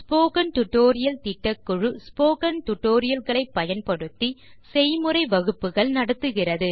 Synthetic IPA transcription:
spoːkɐnʈʊʈːoːɾɪjɐlt̪ɪʈːɐkːʊɻɯspoːkɐnʈʊʈːoːɾɪjɐlɣɐɭɐɪpːɐjɐnpɐɽɯt̪ːisɛjmɯrɐɪʋɐɣɯpːɯɣɐɭnɐɽɯt̪ːɯɣɪrɐðɯ

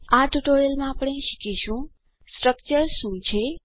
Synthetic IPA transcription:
aʈuʈoɾelmãapɽ̃eʃi̥kʰiʃũ | sʈɾək̚t͡ʃəɾʃũt͡ʃʰe

